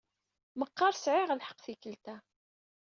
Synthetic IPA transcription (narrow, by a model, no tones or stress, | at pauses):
məqːɑɾˤsʕɪʁlħə̥qːθikəlt̪æ